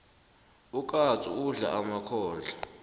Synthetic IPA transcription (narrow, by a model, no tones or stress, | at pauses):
ukʼat͡sʼṵuɮa̰ʔamakʰɔːɮʱa